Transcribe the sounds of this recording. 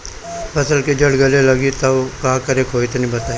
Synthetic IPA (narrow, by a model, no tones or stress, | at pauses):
pʰəsəlked͡ʒəɽɡəleləɡiːt̪aokãːkəɾekʰoːit̪ːnĩːbət̪aːi